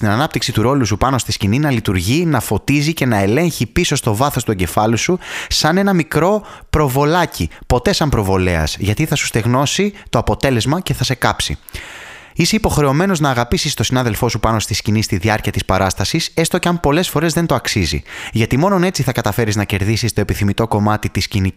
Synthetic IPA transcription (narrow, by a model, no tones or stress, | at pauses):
t̪inɐnɐp̚t̪iksit̪uɾo̞lusupɐno̞st̪iscininɐlit̪uɾʝinɐfo̞t̪izice̞nɐe̞le̞ɲçipiso̞st̪o̞vɐθo̞st̪ueɲɟe̞fɐlususɐne̞nɐmikɾo̞pɾo̞vo̞lɐcʰipo̞t̪e̞sɐmpɾo̞vo̞le̞ɐ̰sʝɐt̪iθɐsu̥st̪e̞ɣno̞sit̪o̞ɐpo̞t̪e̞le̞zmɐce̞θɐse̞kɐpsḭ | ise̞ipo̞xɾe̞o̞me̞no̞znɐːɣɐpisist̪o̞sinɐðe̞lfo̞supɐno̞st̪iscinist̪iðiɐɾciɐt̪ispɐɾɐst̪ɐsise̞st̪o̞ceɐmpo̞le̞sfo̞ɾe̞zðe̞nt̪o̞ɐksizḭʝɐt̪imo̞no̞ne̞t͡siθɐkɐt̪ɐfe̞ɾiznɐce̞ɾðisist̪o̞epiθimit̪o̞ko̞mɐt̪it̪iscini